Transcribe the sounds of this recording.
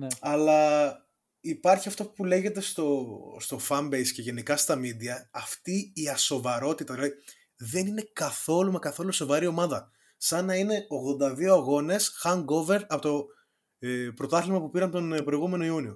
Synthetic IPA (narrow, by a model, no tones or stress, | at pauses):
nɐlɐ | ipɐɾçiɐft̪opule̞ʝe̞t̪e̞st̪o̞st̪o̞fɐmbejsce̞ʝe̞nikɐst̪ɐmid̪iɐːft̪iːɐso̞vɐɾo̞t̪it̪ɐðilɐði | ðe̞nine̞kɐθo̞lumekɐθo̞luso̞vɐɾio̞mɐðɐ | sɐnɐine̞oɣðo̞nd̪ɐðio̞ɐɣo̞ne̞sxɐŋɡo̞ve̞ɾɐpot̪o̞ | pɾo̞t̪ɐθlimɐpupiɾɐnt̪o̞npɾo̞iɣume̞no̞iunio